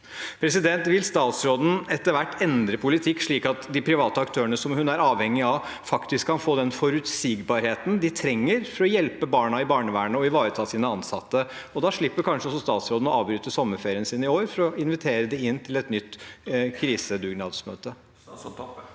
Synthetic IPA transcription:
pʰɾɛsɪd̪ɛnt̪ʋɪlst̪ɑːt̪sɾoːd̪n̩ɛt̪ːəɾʋæʈːɛnd̪ɾəpʰʊlɪt̪ʰɪkːʂɭiːkɑt̪d̪ɪpʰɾɪʋɑːt̪əɑkt̪ʰøːəɳəsɔmhʉnæɾɑːʋhɛŋːɪɑʋ | fɑkt̪ɪskʰːɑnfoːd̪ɛnfɔɾʉt̪siːɡbɑɾheːt̪n̩d̪ɪt̪ʰɾɛŋːəɾfɔɾɔjɛlpəbɑːɳɑɪbɑːɳəʋæːɳəɔɪʋɑːɾət̪ʰɑːsiːnəɑnsɑt̪ːə | ɔd̪ɑʂɭɪpːəɾkʰɑnʂəɔs̬ɔst̪ɑːt̪sɾoːd̪n̩ɔɑːʋbɾyːt̪əsɔmːəɾfeːɾɪənsiːnɪoːɾfɔɾɔɪnʋɪt̪ʰeːɾəd̪ɛɪnːt̪ʰɪlɛt̪nʏt̪ːkʰɾiːsəd̪ʉːɡnɑːd̪smø̰ːt̪ə

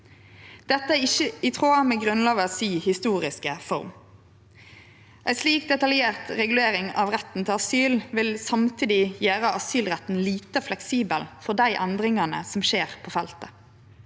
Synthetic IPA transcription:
d̪̥ɛt̪ːəæɪçəɪt̪ʰʁoːɑmɛːɡʁʉnlɑːɡəɑsiːhɪst̪uːʁɪskəfɔ̰ʁm | ʔæɪsliːk̚d̪ɛt̪ɑljeːʁt̪ʁɛɡʉleːɾɪŋɑʋʁɛt̪n̩t̪ʰɪlɑsyːlʋɪlsɑmt̪ʰiːd̪ɪjæːʁəʔɑsyːlʁɛt̪n̩liːt̪əflɛksiːbəlfɔʁd̪æɪʔɛnd̪ʁɪŋɑnə̰sɔmʃeːʁpʰoːfɛlt̪ə

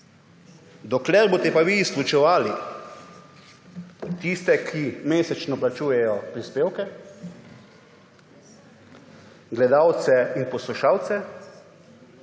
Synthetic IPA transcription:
d̪ɔklɛɾboːt̪ɛpaʋiːsklut͡ʃɛʋaːli | t̪ist̪ɛkʰimeːsɛt͡ʃnɔplat͡ʃuːjɛjɔpɾispeːwkɛ | ɡlɛd̪aːwt̪sɛinpɔsluʃaːwt̪sɛ

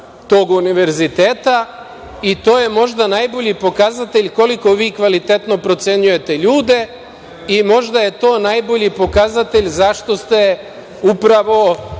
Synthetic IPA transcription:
t̪o̞ɡuniʋe̞ɾzit̪eːt̪a | it̪o̞ːje̞mo̞ʒd̪anajbo̞ʎipo̞kazat̪e̞ʎʲko̞liko̞ʋiːkʋalit̪e̞t̪no̞pɾo̞t̪se̞ɲuje̞t̪e̞ʎuːd̪e̞ | imo̞ʒd̪aje̞t̪o̞ːnajbo̞ʎipo̞kazat̪e̞ʎʲzaʃt̪o̞st̪e̞ | upɾaʋo̞

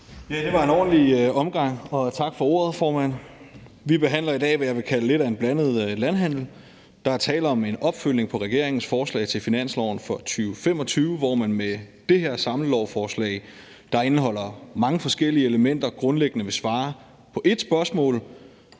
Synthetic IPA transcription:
jæd̥e̝ʋɑ̈e̝nɒ̰ːn̩liɒ̽mɡ̥ɑ̈ŋ̰ɒ̽t͡sʰɑ̈ɡ̥fɒ̽o̝̰ːɐð̞̩ˠfɒːmæn̰ | ʋib̥e̝ɦæn̰lɐidɛ̰ːʋæjɑ̈ʋe̝kʰæləle̝dɾæe̝nb̥lænð̞̩ˠølænɦæn̰l̩ | d̥ɑ̈æɐt͡sʰɛ̰ːlɒ̽me̝nɒ̽b̥føl̰ne̝ŋpʰɒ̽ʁɛɡ̥e̝ɐ̰e̝ŋn̩sfɒːslɛ̰ɪt͡sʰe̝lfinæn̰slɒ̰ʊn̩fɒ̽t͡sʰyːʊfem̰ɒ̽t͡sʰyːʊəʋɒmænmed̥e̝he̝ɐ̰sɑ̈ml̩lɒʊfɒːslɛ̰ɪ | d̥ɑ̈e̝nəɦɒ̽l̰ɐmɑ̈ŋəfɒ̽sɡ̥el̰iəeləmen̰d̥ɐɡ̥ʁɔ̽nleɡ̥nəʋe̝sʋɑ̈ː | pʰɒ̽ʔe̝d̥sb̥ɶɐsmɔ̰̽ːl

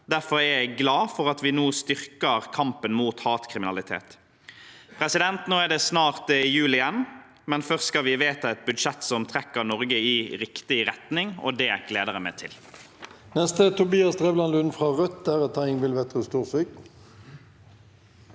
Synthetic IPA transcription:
d̪æɾfɔɾæɾjæɪɡlɑːfɔʁɑt̪ʋɪnoːst̪ʏʁkəʁkʰɑmpənmuːt̪hɑːt̪kʰʁɪmɪnɑlɪt̪ʰḛːt̪ | pʰʁɛsɪd̪ɛnt̪noːæʁdɖ̪ɛsnɑːʁt̪jʉːlɪjɛnː | mɛnfœʁsskɑʋɪʋeːt̪ɑɛt̪̚bʉd̪ʃɛt̪ːsɔmt̪ʰɾɛkːənɔʁɡəɪɾɪkt̪ɪɾɛt̪nɪŋɔ̰d̪ɛæɡ̥leːd̪əʁɾəmɛ̰t̪ʰɪl | nɛst̪ət̪ʰʊbiːɑst̪ʁɛːʋlɑnlʉnfʁɑːʁœt̪æʁət̪ʰæɪŋʋɪlʋɛt̪ʁəst̪uːʁsyk

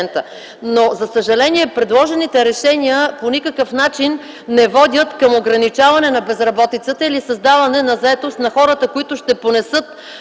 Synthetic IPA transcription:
ɛnt̪ə | nozɐsəʒɐlɛniɛpɾɛd̪lˠɔʒɛnit̪ɛɾɛʃɛnʲiəponikəkəfnat͡ʃinː | ɛvɔd̪ʲət̪kɐmoɡɾɐnit͡ʃavɐnɛnɐbɛzɾɐbɔt̪it̪sət̪əilisɐzd̪avɐnɛnɐzɐɛt̪ost̪nɐxɔɾət̪əkoit̪ʊʃt̪ɛponɛsɤt̪̚

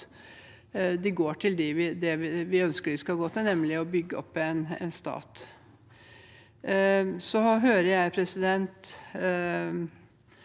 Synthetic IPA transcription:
d̪ɪɡoːʈʰɪld̪ɪʋɪd̪ɛʋɪʋɪœnskəʋɪskɑɡoːt̪ʰɪnɛmːlɪɔbʏɡːəɔ̰pːɛnɛ̰nst̪ɑ̰ːt̪ | sɔɦøːɾəɾjæɪpʰɾɛsɪd̪ɛnt̪

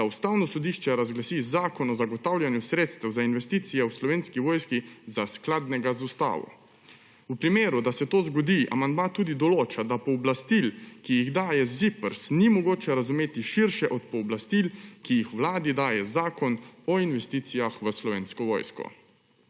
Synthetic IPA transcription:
d̪aust̪aːwnɔsɔd̪iʃt͡ʃɛɾazɡlasizaːkɔnɔzaɡɔt̪awljanjusɾeːt̪st̪ɛwzainʋɛst̪iːt̪sijɛwslɔʋeːnskiʋɔːjskizasklad̪nɛɡazust̪a̰ːʋɔ̰ | upɾimeːɾud̪asɛt̪oːzɡɔd̪iʔa̰mand̪mat̪uːd̪id̪ɔloːt͡ʃad̪apɔːblast̪ilkijiɣd̪aːjɛzipəɾsnimɔɡoːt͡ʃɛɾazumeːt̪iʃiɾʃɛʔɔt̪pɔːblast̪ilkijixʋlaːd̪id̪aːjɛzaːkɔnɔinʋɛst̪iːt̪sijaxʋəslɔʋeːnskɔʋɔ̰ːjskɔ̰

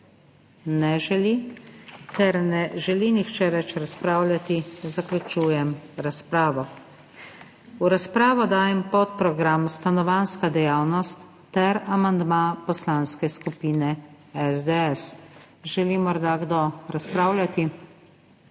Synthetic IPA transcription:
nɛʒɛli | kɛɾnɛʒɛlinixt͡ʃɛʋɛt͡ʃɾaspɾaːwlʲjat̪izaklʲut͡ʃuːjɛmɾaspɾaːʋɔ | uɾaspɾaːʋɔd̪aːjɛmpɔt̪̚pɾɔɡɾamst̪anɔʋanskad̪ɛjaːwnɔst̪ːɛɾamand̪mapɔslanskɛskupiːnɛ | ɛzd̪ɛɛs | ʒɛlimɔɾd̪aɡd̪ɔɾaspɾaːwlʲjʲat̪i

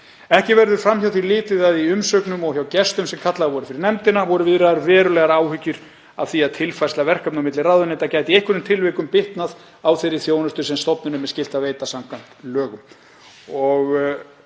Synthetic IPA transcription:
ɛhcɪvɛɾðʏɾ̥fɾamːçawθilɪːt̪ɪðaðiʏmsœknʏmɔɣçjawcɛst̪ʏmsɛmkʰat̪laɣavɔɾʏfɪɾɪɾnɛmt̪ɪnavɔɾʏvɪðɾaɾvɛːɾʏlɛɣaɾaːwhʏcːʏɾ̥ | a̰v̥θiaðt̪ʰɪlfajslavɛr̥kapnamɪt̪lɪraðʏnejt̪acaːjt̪ɪejhkvʏɾʏmt̪ʰɪlvejkʏmpɪht̪nað | awθejɾɪθjoːwnʏst̪ʏsɛmst̪ɔpnʏnʏmːɛscɪlt̪aveːjt̪asamkʰvajn̥t̪lœːɣʏm | ɔɣ

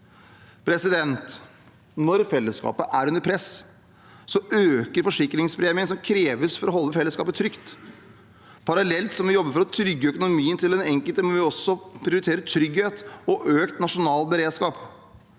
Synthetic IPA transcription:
pʰɾɛsɪd̪ɛnt̪ | nɔɾfɛlːəskɑ̰ːpəʔæɾʉnəɾpʰɾɛs | sɔøːkəɾfɔʂɪkːɾɪŋspɾeːmɪənsɔmkʰɾeːʋəsfɔɾɔɦɔlːəfɛlːəskɑːpət̪ʰɾʏkt̪ | pʰɑɾɑlɛlt̪sɔmʋɪjɔbːəɾfɔɾɔt̪ʰɾʏɡːəœkʊnʊmiːənt̪ʰɪlɛnɛŋkəlt̪əmɛʋɪɔsːɔpʰɾɪʊɾɪt̪ʰeːɾət̪ʰɾʏɡheːt̪ɔʔøːkt̪nɑʂʊnɑːlbəɾeːd̪skɑːp

